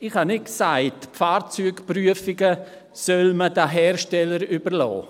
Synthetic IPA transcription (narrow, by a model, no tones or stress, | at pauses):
ɪχhɑnɪt̚ksaɪtfaːɾt͡syːkpryəfɪɡə | sœlmədaɦɛːɾʃtɛləɾybəɾlɔ̰ː